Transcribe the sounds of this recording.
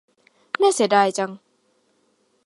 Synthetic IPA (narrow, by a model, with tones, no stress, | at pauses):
naː˥˩jsi˨˦daː˧˩jt͡ɕa˧ŋ